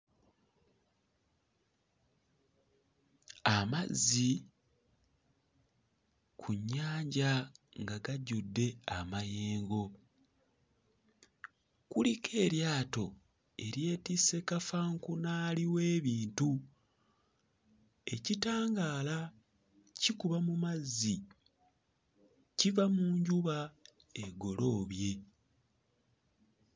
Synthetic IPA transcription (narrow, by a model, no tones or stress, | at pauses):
amazi | kʰuɲːaːɲɟaŋɡaɡaɟudːe̞amajeːŋɡo̞ | kulikʰe̞ːɾjaːto̞ | e̞ɾje̞ːtise̞kafaŋkunaːliwe̞ːβiːntu | e̞citaːŋɡaːla | cikuβamumazːi | civamuːɲɟuβa | e̞ɡo̞lo̞ːβje̞